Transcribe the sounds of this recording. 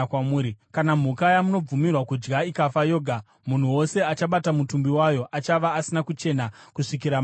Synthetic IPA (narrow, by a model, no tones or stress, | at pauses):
wauːɾikanam̤ukajamuno̞b͡vumirwakud͡ʒɡaikafajo̞ːɡʱa | mun̤uwo̞se̞at͡ʃaɓatamutumbiwajo̞ʔat͡ʃaʋaːsinakut͡ʃe̞nakuʂikiɾam